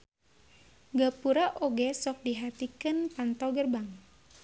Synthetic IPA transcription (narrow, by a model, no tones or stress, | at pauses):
ɡapuɾaʔoɡɛsɔk̚diɦat̪ikɨnpant̪ɔɡərbaŋ